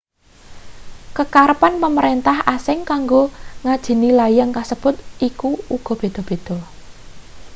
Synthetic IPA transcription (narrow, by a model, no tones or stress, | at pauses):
kəkaɾəpanpəməɾent̪ahasɪŋkaŋɡoŋad̥ʒ̥i̤nilajaŋkasəb̥ʊt̪ʔikuuɡ̥ɔ̤b̥e̤d̪̥ɔ̤b̥e̤d̪̥ɔ̤